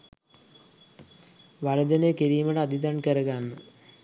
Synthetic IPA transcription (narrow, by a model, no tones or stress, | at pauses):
ʋaɾəd͡ʒənejəkiɾiːməʈəad̪id̪ankəɾəɡanːə